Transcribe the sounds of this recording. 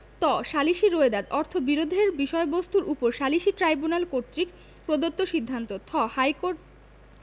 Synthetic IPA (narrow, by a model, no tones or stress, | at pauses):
t̪ɔʃaliʃiɾoed̪ad̪ɔɾt̪ʰobiɾod̪ʱeɾbiʃɔebost̪uɾʔupoɾʃaliʃiʈɾajbunalkoɾt̪ɾik | pɾod̪ot̪ːoʃid̪ʱːant̪ot̪ʰɔhajkoʈ